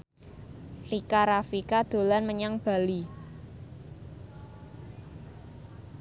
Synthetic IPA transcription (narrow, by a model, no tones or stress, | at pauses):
rikaɾafikad̪̥o̤lanməɲaŋb̥a̤li